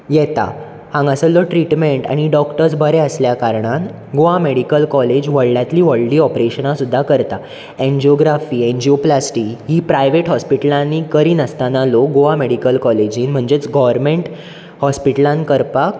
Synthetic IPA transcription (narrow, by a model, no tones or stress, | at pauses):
jɛt̪a̰ | hãŋɡəsəlɔʈɾiʈmeɳʈa̰ɽ̃iɖɔkʈəɾsbʱəɾeəsljakaɾɳan | ɡoameɽikəlkɔled͡ʑʋəɭljat̪liːʋəɭliːɔpɾeɕənasud̪ʱːakəɾt̪a | ẽɲd͡ʑioɡɾafiːẽɲd͡ʑioplasʈiːɦiːpɾajʋeʈɦɔspiʈəlãnːiːkəɾiːnəst̪analoɡoameɽikəlkɔled͡ʑiːnm̤əɳd͡ʑet͡sɡɔʋəɾmeɳʈ | hɔspiʈəlãnkəɾpak